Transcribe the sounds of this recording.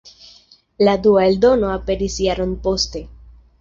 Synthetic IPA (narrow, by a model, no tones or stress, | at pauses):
lad̪uaeld̪o̞no̞ape̞ɾisjaɾonpo̞ste̞